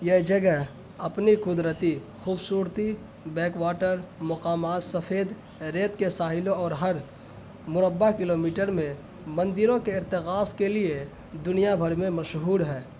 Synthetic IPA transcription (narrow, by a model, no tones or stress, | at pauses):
jɛɦd͡ʒəɡɛɦ | ɐpnikʊd̪ɾət̪i | xuːbsuːɾt̪i | bɛːkwaːʈəɾmɐqaːmaːt̪səfʰeːd̪ | ɾeːt̪kesaːɦɪlõɔːɾɦɐɾ | mʊɾəbːakɪloːmiːʈəɾmẽ | mə̃nd̪ɪɾõkeɪɾt̪ɪkaːskelie | d̪ʊnijabʱəɾmẽməʃɦuːɾɦɛː